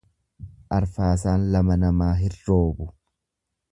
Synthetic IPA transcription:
ʔɐɾfaːs̬aːnlɐmɐnɐmaːɦɪrːo̞ːbʊ

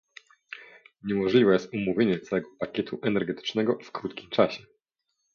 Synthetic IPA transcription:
ɲɛmɔʐlʲivɛjɛst̪umuvʲjeɲɛt̪sawɛɡɔpakʲɛt̪ʰuʔɛnɛɾɡɛt̪ɘ̥t͡ʂnɛɡɔfkɾut̪kʲimt͡ʂaɕɛ

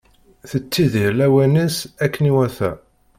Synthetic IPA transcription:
θət͡sːiðiɾlæwænəsækːəniwæθæ̰

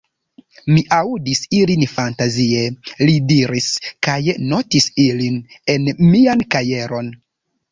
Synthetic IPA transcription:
miʔaudisilinfantazielidiɾiskajno̞tisiline̞nmiankaje̞ɾo̞n

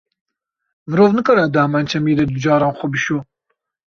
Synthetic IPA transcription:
mɨɾoːvnɨkɑɾad̪ɐmaːnt͡ʃʰɛmiːd̪ɛd̪ud͡ʒɑːɾɑːnxʷɐbɨʃuː

